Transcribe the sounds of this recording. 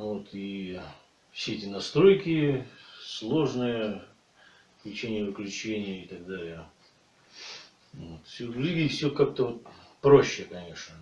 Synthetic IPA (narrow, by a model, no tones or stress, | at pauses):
vot̪ʰi | fsʲeɛtʲɪnɐst̪ɾo̞jkʲɪslˠo̞ʐnɨjə | klʲɪt͡ɕenʲɪjəvɨklʲʉt͡ɕenʲɪjəɪt̪ɐɡ̚d̪alʲɪjə | vot̪fsʲolʲuɡʲijfsʲokak̚t̪əvo̞t̪̚pɾo̞ɕːɪkɐnʲe̞ʂnə